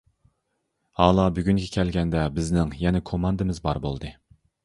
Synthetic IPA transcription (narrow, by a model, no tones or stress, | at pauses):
ɑːlˠɑbyɡʲyŋɡʲɛkʲʰɛlɡʲɛnd̪ɛbɪznɪŋjɛnɛkʰomɑnd̪ɨmɪzbɑɾbo̰lˠd̪ɨ